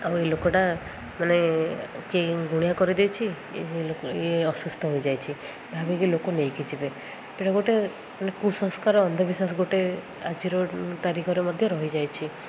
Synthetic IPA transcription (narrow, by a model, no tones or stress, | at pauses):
awelokɔʈa | manekiɡuɽ̃jakɔɾid̪ewt͡ʃʰi | eɔsust̪ʰɔɦojd͡ʒajt͡ʃʰi | bʱabikilokonejkit͡ʃʰibe | eʈaɡoʈe | manekusɔ̃ŋskaɾɔːnd̪ʱɔbisas̬ɡoʈe | ad͡ʒiɾɔt̪aɾikʰɔɾemɔd̪ʱjɔɾɔɦid͡ʒajt͡ʃʰi